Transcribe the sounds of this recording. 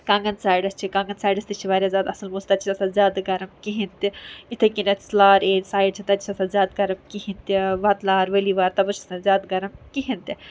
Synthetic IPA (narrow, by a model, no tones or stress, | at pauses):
kãːŋɡɐnsaːjɖɐst͡ʃʰikãːŋɡɐnsaːjɖɐst̪it͡ʃʰiʋaːɾʲjaːzʲaːd̪ɐsɐlmuːst̪ɐt͡ʃʰiɐsad̪zʲjaːd̪ɡɐɾɐmkiɦint̪iit̪ʰekinɐslaːɾeːʈsaːjɖt͡ʃʰit̪ɐt̪t͡ʃʰit͡ʃʰɐsad̪zʲaːd̪̚ɡɐɾɐmkiɦĩnt̪iʋat̪laːɾʋɐliʋaːɾt̪ɐbɐt͡ʃʰɐ̥sɐnzʲaːd̪ɡɐɾɐmkiɦint̪ʲi